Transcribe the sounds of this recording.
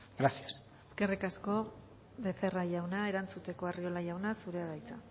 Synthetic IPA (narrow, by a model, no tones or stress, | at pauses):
ɡ̥ɾasias | eske̞rikasko̞ | βe̞fe̞raʝawnae̞ɾant͡sut̪e̞ko̞ario̞lajawnasuɾe̞aðajt͡sa